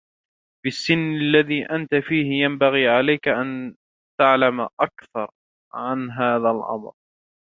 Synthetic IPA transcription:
bɪsːɪnːalːaðiːʔant̪afiːhɪjambaɣiːʕalajkaʔan | t̪aʕlamʔakθɑɾˤ | ʕanɦaːðalʔɑ̰mɾ

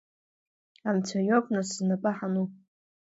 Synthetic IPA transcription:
amt͡sʷʰajopʼnɨsznapʼaħanu

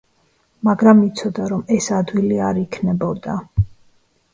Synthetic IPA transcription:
maɡɾamit̪sʰɔd̪aɾɔmɛsad̪wiliaɾikʰnɛbɔd̪a

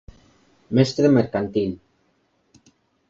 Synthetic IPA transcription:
mest̪ɾemeɾkant̪in

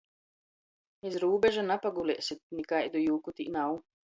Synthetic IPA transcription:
esɾuːbʲeʒanapaɡulʲeːsit̪̚nikajd̪ujuːkut̪inaw

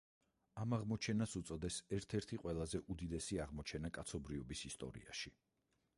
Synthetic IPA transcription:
amaʁmɔt͡ʃʰɛnasut̪sʼɔd̪ɛsɛɾt̪ʰɛɾt̪ʰiqʼwɛlˠazɛʔud̪id̪ɛsiaʁmɔt͡ʃʰɛnakʼat̪sʰɔbɾiɔbisist̪ʼɔ̰ɾḭaʃi

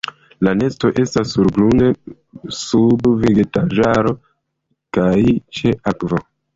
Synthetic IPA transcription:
lane̞sto̞ʔe̞stasːuɾɡlune | subveɡetaʒaɾo̞ | kajt͡ʃe̞ʔakvo

